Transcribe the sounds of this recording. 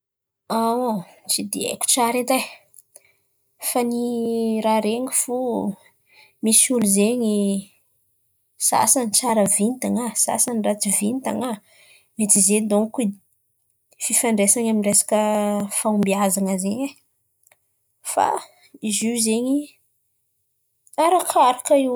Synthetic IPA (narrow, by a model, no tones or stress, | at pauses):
at͡sid̪iḛkʲu̥ʈ͡ʂaɾet̪aj | faniɾaɾeŋifu | misuluzeɲi | sa̰sant͡saɾəvint̪aŋasa̰sanrat͡sivint̪a̰ŋa | met͡s̪ized̪oŋku | fifaɳɖ͡ʐesaɲaminresḁkəfaumbiazaŋəzeɲe | fa̰ | izizeɲi | aɾakʰaɾakaiw